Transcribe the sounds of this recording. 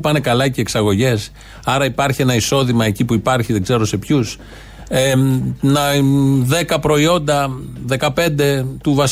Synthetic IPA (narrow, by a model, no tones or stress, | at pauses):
pɐne̞kɐlɐceːksɐɣo̞ʝe̞s | ɐɾɐipɐɾçie̞nɐiso̞ðimɐe̞cipuipɐɾçiðe̞ɡze̞ɾo̞se̞pçus | enɐðe̞kɐpɾo̞io̞nd̪ɐðe̞kɐpe̞nd̪e̞t̪uvɐs